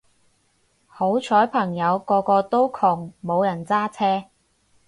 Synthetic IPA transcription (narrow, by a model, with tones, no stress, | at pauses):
ho˨˥wt͡ʃʰɔː˨˥jpʰɐ˨˩ŋjɐ˨˧wkɔː˧kɔː˧t̪o˥wkʰʊ˨˩ŋmo˨˧wjɐ˨˩nt͡saː˥t͡sʰɛː˥